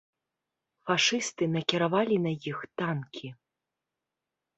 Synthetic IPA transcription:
faʂɨst̪ɨnɐkʲiɾavalʲinɐjixt̪ankʲʰi

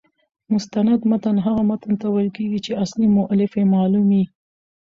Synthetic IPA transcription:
mʊst̪anad̪mat̪anɦaɣamat̪ant̪awalkeɡit͡ʃeaslimʊʔalɪfemɑlumi

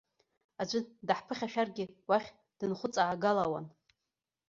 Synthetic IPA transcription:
ad͡ʒʷɨdaħpʰɨχʲaʃᶣarɡʲɪwaχʲ | d̥ɨnχʷʊt͡sʼaʕːɡalawa̰n

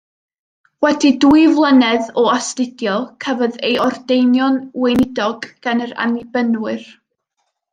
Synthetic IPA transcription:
wɛdiduɨvlˠənɛðɔastɪdjɔlˠkʰəvɔðejɔrdejnjɔnwejnɪdɔɡ̥ːanəɾa̰nɪbənwɨr

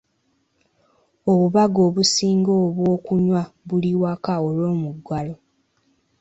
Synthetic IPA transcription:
oβuβaɡo̞ːβusiːŋɡoβwo̞ːkuɲwaβuliwakaolwo̞ːmuɡwalo

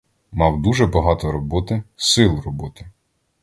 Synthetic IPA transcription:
mɑwd̪uʒɛbɐɦɑt̪ɔɾɔbɔt̪ɪsɪlˠrɔbɔt̪ɪ

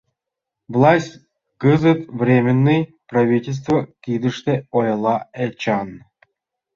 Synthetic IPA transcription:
vlˠasʲtʲ | kɨzɨt̪vrʲemʲɪnːɨj | prɐvʲitʲelʲs̬t̪vəkʲid̪ɨʂt̪eojɤlˠɑet͡ɕɑn

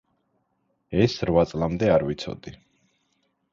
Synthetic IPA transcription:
ɛsɾwat̪sʼlˠamd̪ɛaɾvit̪sʰɔ̰d̪̥i

